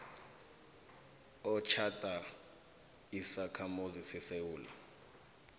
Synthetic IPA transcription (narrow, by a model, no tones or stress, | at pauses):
ɔt͡ʃʰatʼa | isakʰamuzisɛsewuːla̰